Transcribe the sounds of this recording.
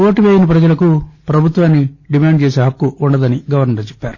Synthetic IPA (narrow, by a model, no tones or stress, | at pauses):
oːʈiʋeːjinɐpɾɐd͡ʒɐlɐkupɾɐbʱut̪ʋaːnːiɖimaːɳɖ̚t͡ʃeːseːɦɐkːuːɳɖɐd̪ɐniɡɐʋɐɾnɐɾɐt͡ʃe̥pːaːɾu